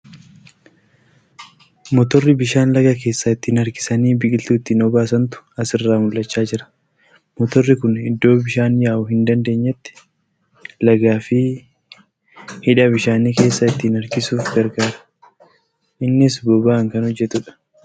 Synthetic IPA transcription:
mɔt̪ɔrːɪbɪʃaːnlɐɡɐke̞ːsːɐɪt̪ːiːnɐɾkɪ̥sɐniːbɪʔɪlt̪uɪt̪ːiːnɔbaːsɐnt̪ʊ̥ɐsɪrːaːmʊlːɐt͡ʃːaːd͡ʒɪɾɐ̥ | mɔt̪ɔrːɪkʊnɪd̪ːo̞ːbɪʃaːnjaːʔʊhɪnd̪ɐnd̪e̞ːɲːɛt̪ːɪ̥ | lɐɡaːfɪ | hɪᶑɐbɪʃaːniːke̞ːsːɐɪt̪ːiːnɐɾkɪsuːfbɛɾkaːɾɐ̥ | ʔɪnːɪs̬bɔbaːŋkɐnhɔd͡ʒːɛt̪ʊᶑɐ̥

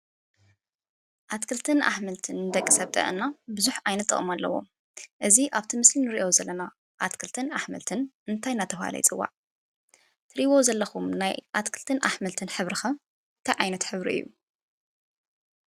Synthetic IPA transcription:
ʔat̪kʰɨlt̪ʰɨna̰ħmɐlt̪ʰɨnːɨd̪ɐkʼːɨsɐβt̪ʼɐ̰ʔɨ̰nːabɨzuħajnɐt̪ːɨ̰χʼɨmalːɐ̰wo̰ | ʔɨziʔaβt̪ʰimɨslinɨɾiʔozɐlːɐna | ʔat̪kʰɨlt̪ʰɨnaħmɐlt̪ʰɨnʔɨnt̪ʰajnat̪ʰɐfha̰lɐ̰jt͡sʼɨwːa̰ʕ | t̪ʰɨɾiβozɐlːɐxumnajʔat̪kʰɨlt̪ʰɨnʔaħmɐlt̪ʰɨnħɨβɾɨxɐ | nt̪ʰajʕajnɐt̪ħɨβɾḭʔɨ̰jːṵ

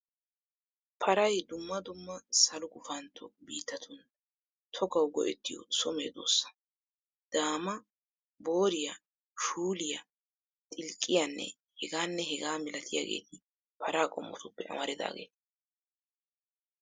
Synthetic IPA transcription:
pʰɐɾɐjd̪ʊmːɐd̪ʊmːɐsɐlʊɡʊfɐnt̪ʰːɔbiːt̪ːɐt̪ʰʊn | t̪ʰɔɡɐwɡɔʔɛ̰t̪ːɪjɔ̰sɔmeːd̪o̞̰ːsːɐ̥ | d̪̥aːmɐ | bo̞ːɾɪjɐ | ʃuːlɪjɐ | t̪ʼɪlkʼːɪjanːɛ̰ | hɛɡaːnːɛɦɛɡaːmɪlɐt̪ʰɪja̰ːɡe̞̰ːt̪ɪ | pʰɐɾaːkʼɔ̰mːɔ̰t̪ʊpːɛ̰ʔɐ̰mɐɾɪd̪a̰ːɡe̞̰ːt̪

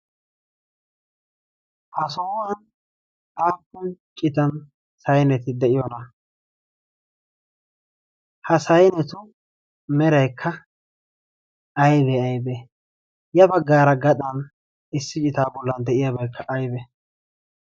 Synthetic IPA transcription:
hɐsɔwɐn | aːpːʊnt͡ʃʼɪt̪ɐn | sɐjnɛt̪ɪd̪ɛʔɪjɔnɐ | hɐsɐjnɛt̪ʊ | mɛɾɐjkʰːɐ | ɐjbɛɐjbɛ | jɐbɐɡːaːɾɐɡɐt̪ʼɐn | ɪsːɪt͡ʃʼɪt̪aːbɔlːɐnd̪ɛʔɪjabɐjkʰːɐʔɐjbɛ

